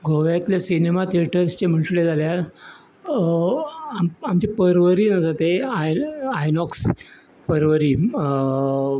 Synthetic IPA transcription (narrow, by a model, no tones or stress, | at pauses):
ɡʱoʋjat̪ljasinemat̪eʈəst͡ɕem̤əɳʈled͡zalja | amamt͡ɕepəɾʋəɾiːnad͡zat̪eaajnɔks | pəɾʋəɾiː